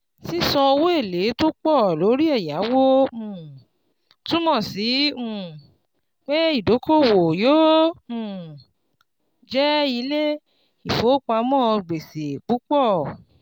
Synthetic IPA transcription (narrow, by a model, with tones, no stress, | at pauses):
si˦sɔ̃˧o˧wo˦e˦˨le˨˦to˦k͡pɔ˦˨lo˨˦ɾi˦ɛ˦˨ja˨˦wo˦ũ˧˨ | tũ˦mɔ̃˦˨si˨˦ũ˦˨ | k͡pe˦i˦˨do˨˦ko˦˨wo˨jo˦ũ˦˨ | d͡ʒɛ˦i˧le˦ | i˨fo˨˦k͡pa˧mɔ̃˦˧ɡ͡be˨se˨k͡pu˨˦k͡pɔ˦˨